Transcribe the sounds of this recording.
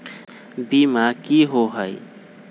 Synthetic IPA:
bimakiɦoɦəj

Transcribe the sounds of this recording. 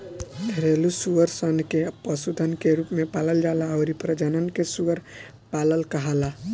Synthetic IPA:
d̪ʱəɾelusuəɾsənkepəsud̪ʱənkeɾupmepaləld͡ʒalaəʊɾipɾəd͡ʒənənkesuəɾ | paləlkəɦala

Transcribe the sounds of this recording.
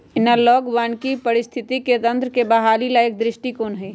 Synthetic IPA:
ɪnalɔːɡʋaːnkipɐɾɪst̪ʰɪt̪iket̪ɐ̃nt̪ɾəkebɐɦaːlilaːɪk̚d̪ɾɪʃʈikoːnɦɛː

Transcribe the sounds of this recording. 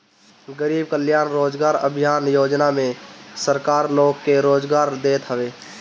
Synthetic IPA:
ɡəɾiːb̚kəljaːnɾoːd͡ʒɡaːɾə̰bʱijaːnjoːd͡ʒnamẽsəɾkaːɾloːɡːeɾoːd͡ʒɡaːɾd̪eːt̪ɦəʋe

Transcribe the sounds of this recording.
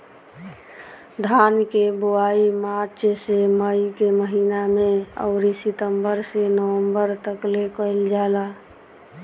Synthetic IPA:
d̪ʱaːnkeboaimaɾt͡ʃseməjkeməɦiːnamẽə̰ʊɾisɪt̪əmbəɾsenəwə̃mbəɾt̪əklekəɪld͡ʒala

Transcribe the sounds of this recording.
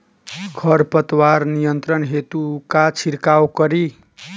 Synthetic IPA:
ɡʰʱʌrpʌt̪warnijʌnt̪ɾʌnɦet̪ukat͡sʰiɾkawkʌɾi

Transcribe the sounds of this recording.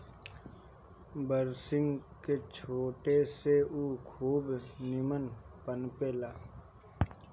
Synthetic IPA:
bəɾsɪ̃ŋɡket͡ʃʰoːʈeseuːkʰuːbnɪmənpənpeːlaː

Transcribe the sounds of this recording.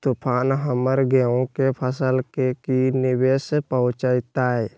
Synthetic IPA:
t̪upʰaːnɦəməɾɡeõkepʰəsəlkekinɪbeːspəʊ̃t͡ʃaɪt̪aɦɛ

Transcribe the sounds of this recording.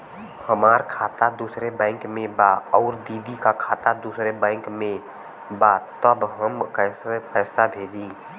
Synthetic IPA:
həmaːɾkʰaːt̪ad̪uːsɾebɛ̃ɪŋkmẽbaɔːɾd̪iːd̪ikakʰaːt̪ad̪uːsɾebɛ̃ːŋkmẽ | bat̪əbɦəmkɛːsepɛːsabʱeːd͡ʒĩ

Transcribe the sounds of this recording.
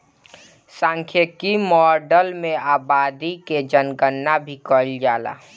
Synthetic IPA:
sãːŋkʰjəkimɔːɾɖəlmẽaːbaːd̪iked͡ʒənɡənːabʱikəld͡ʒaːla̰ː

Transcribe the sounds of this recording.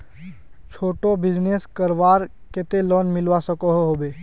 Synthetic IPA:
t͡ʃʰoːʈobɪd͡ʒneːskəɾʋaːɾket̪elɔːnmɪlʋasəkoɦɦoːbeː

